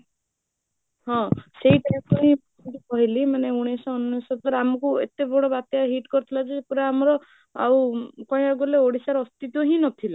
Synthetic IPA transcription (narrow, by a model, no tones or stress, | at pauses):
hɔ̃seɦiʈaãkɔɦĩbaʈikɔɦilimaneuɽ̃esɔːnːɔsɔt̪ɔɾamɔkuḛt̪ebɔɽɔbat̪jaɦiʈkɔɾut̪ʰilad͡ʒeepuɾeamɔɾɔ | a̰wkɔj̃aɡɔleoɽisaɾɔst̪it̪ɔɦĩnɔt̪ʰila